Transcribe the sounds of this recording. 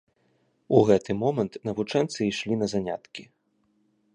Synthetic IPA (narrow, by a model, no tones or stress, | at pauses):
uɣɛt̪ɨmɔmɐnt̪nɐvut͡ʂɛnt̪sɨiʂlʲinɐzanʲa̰t̪kʲi